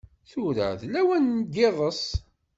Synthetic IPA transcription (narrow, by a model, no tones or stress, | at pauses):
θʊɾə̰ðlæwænːd̪ɪðˤəsˤ